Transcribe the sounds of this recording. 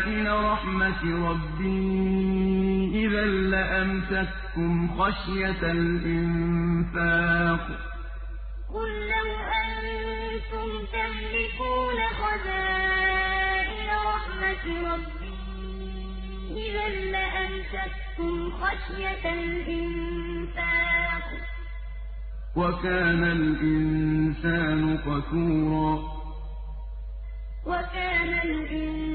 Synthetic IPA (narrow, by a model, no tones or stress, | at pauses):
ʔɪlaɾˤɑħmat̪ɾˤɑbːɪh | ʔɪðaːaʔamt̪at̪ | kʊmxaʃjat̪alʔɪnfaːq | qʊlːawʔanː | t̪ʊmt̪aħlɪkuːnaxɑzaː | ʔɪlaɾˤɑħmat̪ɾˤɑbːɪh | ʔɪðanːaʔant̪att̪ːʊmxaʃjat̪lʔɪn | saːnkm | wakaːnalʔɪnsaːnʊqɑsuːɾˤɑː | wakaːnalʔɪn